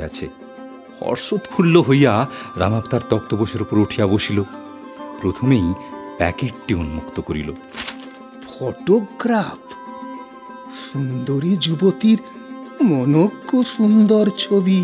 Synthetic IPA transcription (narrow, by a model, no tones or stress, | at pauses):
a̰t͡ɕʰḛ | hɔ̰ɾʃot̪kʰulːoɦojaɾa̰makt̪aɾt̪ɔk̚t̪oboʃeɾupoɾoʈʰijaboʃilo | pɾot̪ʰomejpɛ̰keʈ̚ʈionumokt̪okoɾḭlo̰ | bʱɔʈokɡɾap | ʃund̪oɾid͡ʑubot̪iɾ | mɔnokːoʃund̪oɾt͡ɕʰobi